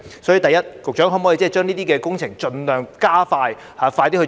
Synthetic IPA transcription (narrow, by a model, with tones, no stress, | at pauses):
sɔː˨˥jyː˨˧˥t̪ɐ˨jɐ˥t̚kʊ˨k̚t͡ʃœː˨˥ŋɦɔ˨˥mː˨˦˥i˧˥t͡sɛː˥˩t͡ʃœː˥ŋniː˥t̪iː˥kɛː˧kʊ˥ŋt͡sʰɪ˨˩ŋt͡ʃɵ˧nlœː˨ŋkaː˥faː˧j | haː˨˧faː˧jt̪iː˥hɵ˧